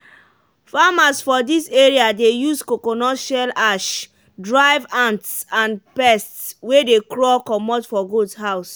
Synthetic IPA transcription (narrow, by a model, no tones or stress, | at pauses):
famasfɔdiseɹiadejuskokonɔʃalaʃ | dɹaɪvãntsãnpɛstswedekɹɔkɔmɔtfɔɡodhaʊs